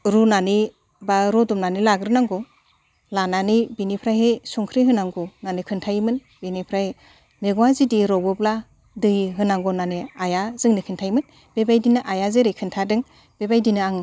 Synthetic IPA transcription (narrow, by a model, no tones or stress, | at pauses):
ɾunani | baɾɔdɔmnanilaɡɾɯnaŋɡɔ | lananibinipʰɾaɦesuŋkʰɾiɦɯnaŋɡɔnanikʰɯntʰajmɯn | binipʰɾahe | meɡɔwazidiɾɔbɔpla | dɯjɦɯnaŋɡɔnaniajazɯŋnikʰɯntʰajmɯn | bebajdinɯʔajazeɾejkʰɯntʰadɯŋ | b̥ebajdinɯaŋ